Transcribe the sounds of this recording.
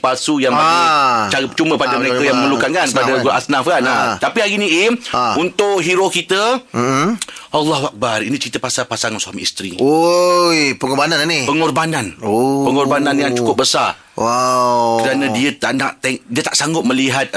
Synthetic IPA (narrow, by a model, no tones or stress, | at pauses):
pasujaŋ | t͡ʃaɾəpət͡ʃuməəpadəməɾekajaŋməməlukankankəpadaɡɾʔa̰snafkanat̪apiɦaɾinĩʔimunt̪ʊʔɦiɾokit̪ə | ʔalːaɦuak̚barinĩt͡ʃɾit̪əpasapasaŋansuamiist̪ɾḭojpəŋɔbanannipəŋɔrbanãnopəŋɔrbanãnjaŋt͡ʃukʊp̚bəsar | wakəɾanãdiət̪aʔna̰ʔt̪eŋdiət̪aʔsaŋɡʊt̪̚mə̃liɦat̪̚